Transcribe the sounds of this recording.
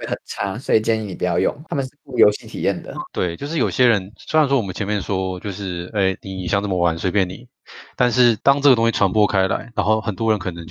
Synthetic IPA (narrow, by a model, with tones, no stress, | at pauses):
we˥˩ɪxə˨˩nʈ͡ʂʰa˥swɔ˧˥i˨˩t͡ɕjɛ˥˧ni˧˩ni˨˩pu˧˩jɑjɑ˥˧ʊjʊ̰˥˩ŋt̪ʰa˥mə˨nʂɻ̩˥˩ku˥˩jo˧ʊɕi˥˩t̪ʰi˨˩jɛ˥˩nd̪ə̰˩t̪we˥˩ɪt͡ɕjo˥˧ʊʂɻ̩˥˩jo˨˩ɕjɛ˦˥ɻə˧˦nsse˥ɪ˨˩nʂwɔ˥wɔ˨mə˦nt͡ɕʰɛ˧nmjɛ˥˩nʂwɔ˥t͡ɕjo˥˧ʊʂɻ̩˥˩e˥˩ɪni˨˥i˨˩ɕjɑ˥˧ŋʈ͡ʂɤ˥˩mə˩wa˧˦nswe˥ɪpjɛ˥˩nnḭ˨˩˦ | t̪a˥˧nʂ̬ɻ̩˥˩t̪ɑ˥ŋʈ͡ʂɤ˥˩ɡə˩t̪ʊ˥ŋɕi˥˩ʈ͡ʂʰwa˧˥npwɔ˥kʰa˥ɪla̰˧˦ɪɻa˧˥nxo˥˩ʊxə˨˩nt̪wɔ˥ɻə˧˥nkʰɤ˨˩nə˧˦ŋt͡ɕo˥